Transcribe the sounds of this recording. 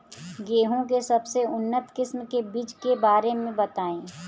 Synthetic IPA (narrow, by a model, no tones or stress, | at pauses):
ɡeːɦõk̬esɐbseʊnːət̪kɪsmkebiːt͡ʃkebaːɾemẽbɐt̪aːẽː